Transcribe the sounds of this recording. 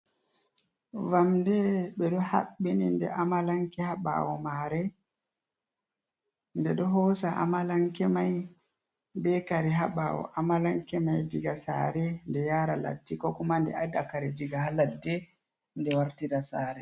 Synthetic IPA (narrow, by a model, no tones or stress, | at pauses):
vamdɛɓɛɗɔha̰ɓːinindɛ̰ʔamalaŋkɛhaɓa̰wɔmaɾɛ | ndɛɗɔɦɔsaʔa̰malaŋkɛmaj | dɛkaɾɛɦaɓawɔ̰ʔamalaŋkɛmajd͡ʒiɡasa̰ːɾɛndɛjaːɾala̰tːikɔkumandɛ̰adakaɾɛd͡ʒiɡahaladːɛ | ndɛwaɾtiɾasaːɾɛ